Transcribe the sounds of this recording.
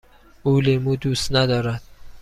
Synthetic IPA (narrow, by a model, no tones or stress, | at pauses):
uːlemuːd̪uːst̪næd̪ɒːɾæd̪̥̚